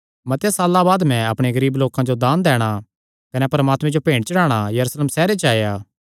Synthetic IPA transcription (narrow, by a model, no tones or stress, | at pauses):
mɐt̪ejasaːlːabaːd̪mɛ̃ɐpɽ̃eɡɐɾiːbloːkãd͡ʒod̪aːnd̪ɛːɽ̃a | kɐnepɐɾəmaːt̪mɛ̃d͡ʒopẽːɳɽt͡ʃɐɽaːɽ̃ajɐɾuːslemsɛːɾet͡ʃaːjaː